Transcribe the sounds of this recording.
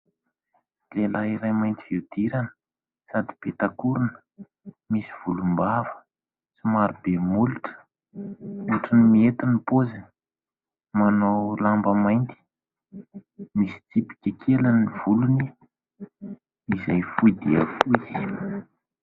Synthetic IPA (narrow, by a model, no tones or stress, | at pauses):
lelaiɾajmajnt̪iviwd̪̥iɾanə̥ | sad̪i̥pet̪akuɾunə̥ | misiv̥ulumbavə̥ | t͡simaɾubemuliʈ͡ʂə̥ | uʈ͡ʂinimiet̪inipozini̥ | manowlambəmajnt̪i̥ | misi̥t̪ipi̥kʲəkʰeləniv̥uluni | izajfujd̪iə̰fuzi̥